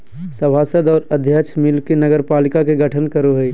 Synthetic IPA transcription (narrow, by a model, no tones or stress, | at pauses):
sɐbʱaːsəd̪ɔːɾɐd̪ʱjət͡ʃmɪlkenɐɡəɾpaːlɪkakeɡɐʈʰənkəɾoɦoi